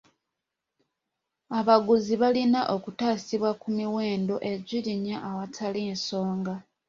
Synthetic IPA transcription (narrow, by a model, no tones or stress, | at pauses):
aβaɡuziβalinaʔo̞kutaːsiβwakumiwe̞ːndo̞ʔe̞zʷiliɲaʔːwatʰalinso̞ːŋɡa